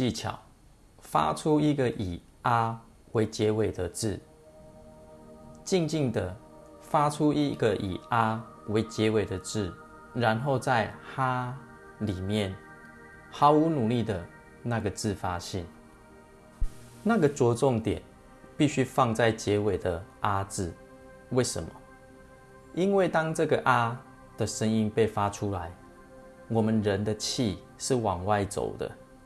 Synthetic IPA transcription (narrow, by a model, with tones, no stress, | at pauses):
i˥˨t͡ɕʰjɑ̰˨˩˦ʊ | fa̰˦ʈ͡ʂʰu˦i˧˦ɡə˨ʔi˨˩ | a˦ | we˧˦ɪt͡ɕjɛ˨˦we˨˩ɪd̪ə˨t͡sɹ̩˥˨ | t͡ɕi˥˧ŋt͡ɕi˥˩ŋd̪ə˨ | fa˦˥ʈ͡ʂʰu˦i˧˦ɡə˨ʔḭ˨˩a˦ | we˧˦ɪt͡ɕjɛ˧˦we˨˩ɪd̪ə˨t͡sɹ̩˥˩ | ɻa˧˦nxo˥˧ʊt͡sa˥˨ɪxa˦ | li˨˩mjɛ˥˨n | xɑ˨˧˦ʊu˧˦nu˨˩li˥˨d̪ə˩ | na˥˧ɡə˩t͡sɹ̩˥˨fa˦ɕɛ˥˩n | na˥˨ɡə˨t͡swɔ˧˥t͡sɔ˥˨ŋt̪jɛ̰˨˩n | pi˥˨ɕy˦fɑ˥˧ŋt͡sa˥˩ɪt͡ɕjɛ˨˦we˨˩ɪd̪ə˩ʔa˦t͡sɹ̩˨˩ | we˥˩ɪʂə̰˨˦nmɔ̰˨ | i˦nwe˥˩ɪt̪ɑ˥ŋʈ͡ʂɤ˥˨˩ɡə˨ʔa˦˥ | d̪̥ə˨ʂə˦ŋi˦npe˥˨ɪfa˦t͡ʃʰu˦la˨˦ɪ | wɔ˨˩mə˨nɻə˨˦nd̪ə˨t͡ɕʰi˥˧ | ʂɻ̩˥˩wɑ˨˩ŋwa˥˩ɪt͡so̰˨˩ʊd̪ə̰˦